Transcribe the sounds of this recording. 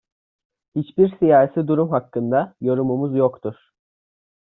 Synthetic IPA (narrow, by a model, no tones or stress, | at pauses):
hit͡ʃbiɾsijaːɦsid̪uɾumɦakːɯnd̪ajo̞ɾumumuzjokt̪ʰuɾ̥